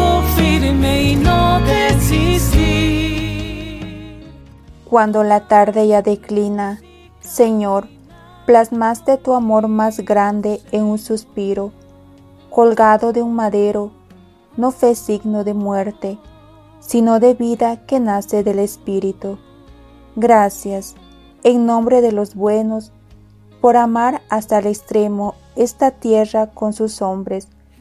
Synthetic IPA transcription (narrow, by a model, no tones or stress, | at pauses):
ofiɾmeinod̪esisi | kwand̪olat̪aɾd̪ejad̪eklina | seɲoɾ | plasmast̪et̪uamoɾmazɡɾand̪eːnunsuspiɾo | kolɡaðod̪eunmaðeɾo | nofesiɡnoðemweɾt̪e | sinoðeβiðakenaseðelespiɾit̪u | ɡɾasjas | eŋnõ̞mbɾeðelozbwenos | poɾamaɾast̪alekst̪ɾemo | est̪at̪jerakonsusombɾes